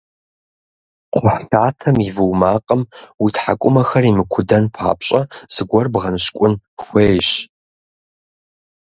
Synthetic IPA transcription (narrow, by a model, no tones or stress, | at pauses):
qʷʊħɬʰaːtʰɐmivɨwmaːqʼəmwitʰħa̰kʷʼʊmɐxɐrimɨkʷʰʊdɐnpʰa̰ːpɕʼɐz̥ɨɡʷɐrbʁɐnɕkʷʼʊnxʷeːjɕ